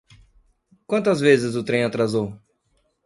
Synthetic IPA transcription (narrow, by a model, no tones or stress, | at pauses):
kwɐ̃nt̪ɐzvezɪzʊt̪ɾẽj̃at̪ɾazow